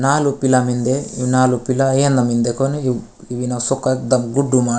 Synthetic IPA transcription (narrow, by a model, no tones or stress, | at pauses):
naːlupilamind̪einaːlupilɐɐjɐnd̪ɐmind̪ekonui | iʋinasɔkːɐd̪ɐmɡuɖːumaː